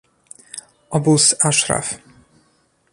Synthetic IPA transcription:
ɔbusaʂɾa̰f

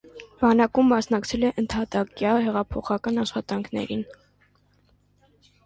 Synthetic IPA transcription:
b̥ɑnɑkumːɑsnɑkt͡sʰɛlɛʔənt̪ʰɑt̪ɑkjɑhɛʁɑpʰɔχɑkɑnɑʃχɑt̪ɑŋkʰnɛ̰ɾin

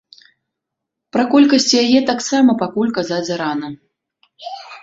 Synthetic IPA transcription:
pɾɐkɔlʲkɐsʲt͡sʲjajɛt̪aksamɐpakulʲkazad͡zʲɐɾanɐ

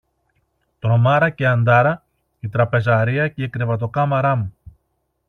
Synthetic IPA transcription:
t̪ɾo̞mɐɾɐce̞ɐnd̪ɐɾɐ | it̪ɾɐpe̞zɐɾiɐce̞ikɾevɐt̪o̞kɐmɐɾɐmu

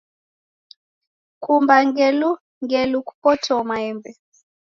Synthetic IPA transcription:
kumbaŋɡɛlu | ŋɡɛluku̥pɔtʰɔmaɛmbɛ

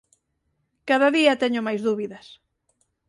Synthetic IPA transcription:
kaðɐðiɐt̪ɛɲʊmajzðuβiðɐs

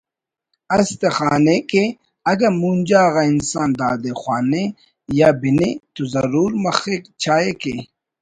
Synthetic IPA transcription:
ɐst̪exaːneke | ɐɡɐɾmund͡ʑaːɣainsaːnd̪aːd̪exwaːne | jabinet̪ozɐɾuːɾmɐxekt͡ɕʰaːeke

